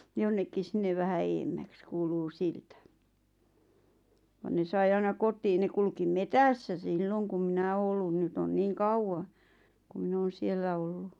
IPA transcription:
jonːekːis sinːeʋ̆ ʋæhæ eːmːæks kuːluː siltæ ʋɑn ne sɑi ɑinɑ kotˑiːn ne kulkim metæsːæ silːoŋ kum minæ oː olːun nyt on niːŋ kɑuwɑ ku min oːn̞ sielːæ olːu

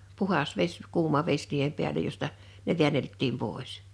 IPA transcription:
puhɑs ʋesʲ kuːmɑ ʋes niːhem piælej jostɑ ne ʋi̞æneltːim poˑis

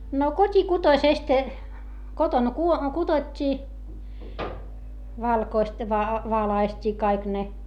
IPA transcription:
no kotʲikutoĭsest kotoŋ kuo kud̥otʲːiː ʋɑlkoist ʋɑ ʋɑlɑistʲiː kɑik ne

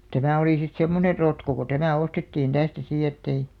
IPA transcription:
tæmæˑ oliˑ sit semːoner rotko ko tæmæ ostetːiːn tæstæ siˑ etːei

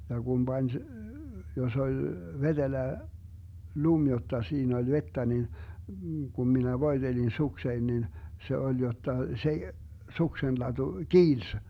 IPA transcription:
jɑ ɡ̊um b̥ɑnʲ jos olʲ ʋed̥elæ lum jotːɑ siːn olʲ ʋetːæ nin ɡ̊um minæ ʋoi̯d̥elin suksein nin se olʲ jotːɑ se suksenlɑd̥u kiːls

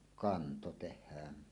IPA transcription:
kɑnto tehˑæːn

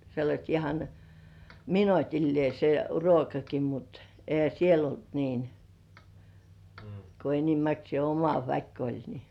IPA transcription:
selːɑsʲt ihɑn minotilːĭeˑ se ruokɑki mut ehæ siel olt niːn ko enimæksĭeˑ omɑ ʋæk olʲ ni

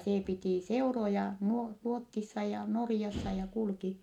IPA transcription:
seː pitiˑ seurojɑ nuo ruotːisːɑ jɑ norĭjɑsːɑ jɑ kulki

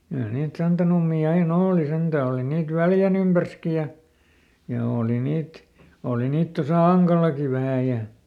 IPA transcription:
kyæ niːt sɑntɑnumːiː ɑin oːli sentæ oli niːt ʋæljæn ympærski jɑ jɑ oːli niːt oˑli niːt tosɑˑ ɑŋkɑlˑɑki ʋæhæˑ jɑ

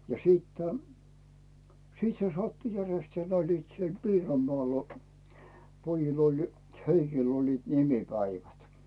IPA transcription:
jɑ siːtːæ̥ siːt se sɑtːu jærestæː n olʲliːt siel piːromːŏɑˑl pojil olʲ heikil olʲliːt nimipæiʋæt

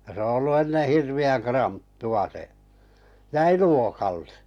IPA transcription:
jɑ se o olːu enːe hirʋiæŋ krɑntːuɑ se jæi luokɑlːe

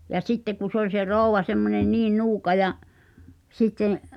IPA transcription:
jɑ sitːe ku sĕ olʲ se roˑuʋɑ semːonen niːn nuːkɑ jɑʔ sitːẽː

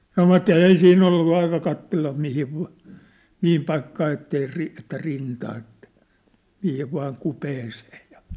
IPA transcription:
sɑnoʋɑtˑ eˑi siːnː olːu ɑikɑ kɑtːelːɑ mihiʋ ʋɑ̝ mihim pɑikːɑː etːei ri etːæ rintɑː etːæ̥ mihiʋ ʋɑːŋ kupeːseːj̆ jɑ

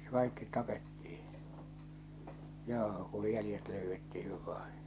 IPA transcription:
kɑˑikːit tɑpetːiːĩ joː kuj jælĭjet løyʋːetːihiʋ ʋɑĩː

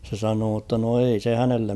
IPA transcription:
se sɑnoː tːɑ no ei se hænelːem

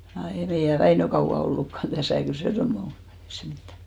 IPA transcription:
jɑ ei meijæ ʋæinø kɑuw̆ɑ olːukːɑn tæsæˑ kyl se semne ol ei se mitːæ

